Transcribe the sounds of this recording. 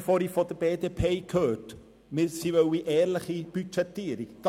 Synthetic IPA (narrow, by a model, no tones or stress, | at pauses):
foɾifod̥əb̥eːdeːpʰeːkʰhøːt | mɪɾsivœwiʔɛːɾləχib̥yt͡ʃɛtːiːɾikɡ̥